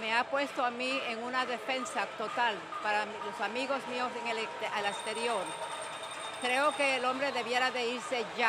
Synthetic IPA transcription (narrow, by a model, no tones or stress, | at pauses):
me̞apwe̞st̪oamieŋunaðe̞fe̞nsat̪o̞t̪al | paɾalo̞samiɣo̞smio̞seŋelealest̪e̞ɾjoɾ | kɾe̞oke̞ːlo̞mbɾe̞ðe̞βje̞ɾaðe̞iɾse̞ʝa